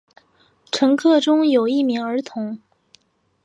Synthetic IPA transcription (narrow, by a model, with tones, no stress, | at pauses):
ʈ͡ʂʰɤ˧˥ŋkʰɤ˥˩ʈ͡ʂʊ˥ŋjo˨˩ʊi˥˩mi˧˥ŋə˞˧˥t̪ʰʊ˧˥ŋ